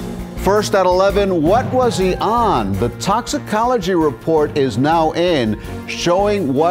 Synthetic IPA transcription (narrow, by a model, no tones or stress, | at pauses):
fɜ˞stəɾəlɛvɨ̃nwʌt̚wʌz̥iʔə̃nðɨtʰɑksɨkʰɑlˠəd͡ʒiɹɨpʰɔɹɾɪznaʊʔɪ̃n | ʃoʊɪ̃ŋwʌ